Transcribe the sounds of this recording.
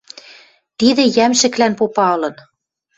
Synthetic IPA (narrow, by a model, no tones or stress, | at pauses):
t̪id̪ĕjæmʃɘ̆klænpopɑɤ̆lɤ̆n